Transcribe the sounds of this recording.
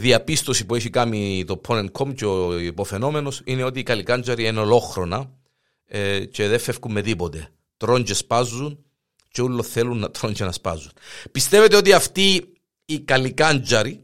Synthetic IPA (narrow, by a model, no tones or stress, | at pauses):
ðiɐpist̪o̞sipue̞çikɐmit̪o̞pʰːonenkʰo̞mceoipofe̞no̞me̞no̞sine̞o̞t̪iːkɐlikɐnd͡ʒɐɾieneo̞lo̞xɾonɐ | ce̞ðe̞fːe̞fkumːe̞ðipot̪e̞ | t̪ɾo̞ɲɟe̞spɐzːun | ceulːoθe̞lunːɐt̪ɾoɲcenɐspɐ̰zːunpist̪e̞ve̞t̪eot̪iɐft̪iː | kɐlikɐnd͡ʒɐɾi